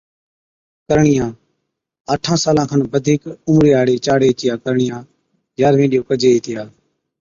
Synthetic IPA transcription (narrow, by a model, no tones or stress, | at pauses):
kəɾɳɪjãː | əʈʰãːsaːlãːkʰənbəd̪ʱiːkʊmɾeːaːɽeːt͡ʃaːɽeːt͡ʃɪjãːkəɾɳɪjãː | jaːɾʋẽːɗɪjoːkəd͡ʒeːiːt̪ɪjaː